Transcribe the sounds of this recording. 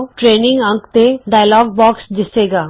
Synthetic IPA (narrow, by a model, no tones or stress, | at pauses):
ʈɾeːnɪ̃ŋɡə̃ŋkt̪eɖaːjlɔːɡ̚bɔːksd̪ɪseːɡaː